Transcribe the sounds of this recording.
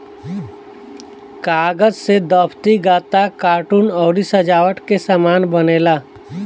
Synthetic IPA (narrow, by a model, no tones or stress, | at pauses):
kaːɡəd͡ʒsed̪ɔːpʰt̪iɡaːt̪akaːɾʈuːnɔːɾisəd͡ʒaːʋəʈkesaːmaːnbəneːlaː